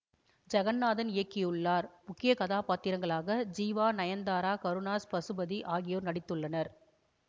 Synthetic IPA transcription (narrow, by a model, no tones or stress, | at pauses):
d͡ʒɐɣɐnːaːðɐnɪjɐkːɪjɯɭːaːɾmʊkːɪjɐkɐðaːpaːt̪ːɪɾɐŋɡɐɭaːɣɐd͡ʒiːʋaːnɐjɐnd̪aːɾaːkɐɾɯnaːspɐsɯbɐðiʔaːɣɪjoːɾnɐɽɪt̪ːɯɭːɐnɐɾ